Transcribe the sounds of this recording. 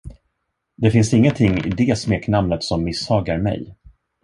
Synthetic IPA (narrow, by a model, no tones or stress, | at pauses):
d̪ɛfɪnsɪŋːənt̪ʰɪŋːɪ̰d̪ɛsmeːknamnət̪sɔmːɪsɑːɡaɾmɛ̰j